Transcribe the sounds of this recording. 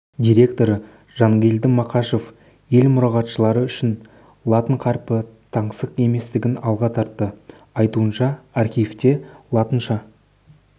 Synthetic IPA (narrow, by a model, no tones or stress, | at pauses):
d̪ʲijɾʲe̞kt̪o̞ɾə | ʒɑŋɡʲeld̪ɪmɑqɑʃo̞f | je̞lmʊɾɑʁɑt̪ʃəlˠɑɾəʏʃɪn | lˠɑt̪əɴqʰɑɾpət̪ʰɑɴsəqe̞me̞st̪ɪɡʲɪnɑlˠʁɑt̪ʰɑɾt̪ːə | ɑjt̪uənʃɑːrχʲijft̪e̞lˠɑt̪ənʃɑ